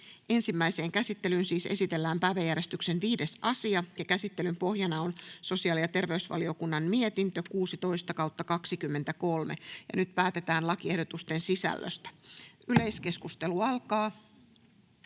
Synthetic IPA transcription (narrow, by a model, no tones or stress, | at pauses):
ʔe̞nsimːæise̞ːŋkæsit̪ːe̞lynsiːse̞̰sit̪e̞lːæːmpæːʋæjːæɾe̞st̪yksenʋiːde̞sɑsiɑjɑkæsit̪ːelympo̞hjɑnɑonso̞siɑːlijɑt̪e̞rʋe̞ysʋɑ̰lio̞kunːɑnmiet̪int̪økuːsit̪o̞ist̪ɑkɑwt̪ːɑkɑksikymːent̪ækolmḛjɑ̰nyt̪pæːt̪et̪æːnlɑkiehdot̪ust̪e̞nsisæ̰lːø̰st̪æ̥yle̞jske̞skust̪e̞luɑlkɑː